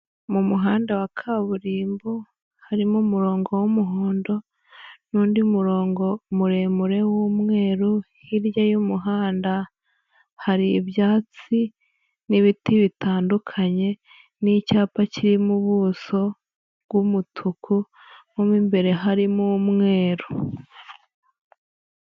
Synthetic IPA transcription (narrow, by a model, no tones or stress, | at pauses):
mumuɦaːndawakʰaβuɾiːmbo | haɾimumuɾo̞ːŋɡo̞womuɦoːndo̞ | nuːndimuɾo̞ːŋɡo̞muɾe̞muɾe̞wumŋe̞ːɾu | hiɾjajumuɦaːnda | haɾiːβjaːt͡si | niβitiβitaːndukʰaɲe̞ | nicaːpaciɾimuβuːso̞ | bɡumutʰukʰu | momimbe̞ɾe̞ɦaɾimumŋe̞ːɾu